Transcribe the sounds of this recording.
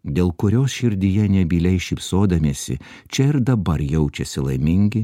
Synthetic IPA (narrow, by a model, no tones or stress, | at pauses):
d̪ʲeːlˠkʊɾʲoːsʃʲɪɾʲd̪ʲijɛnʲɛbʲilʲɛɪʃʲipsoːd̪ɐmʲeːsʲɪ̰ | t͡ʃʲɛɪɾd̪ɐbɐɾjɛʊt͡ʃʲɛsʲɪlˠɐɪmʲɪŋʲɡʲɪ